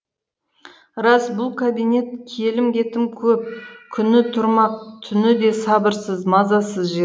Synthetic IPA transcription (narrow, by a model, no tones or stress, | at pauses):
ɾɑsbʊlˠkʰabijne̞t̪̚kʲʰe̞lɪmkʲe̞t̪ɪmkʲʰɵp̚kʲʰʏnɪt̪ʰʊɾmɑq̚t̪ʰʏnɪd̪e̞sɑbəɾsəzmɑzɑsəzʒi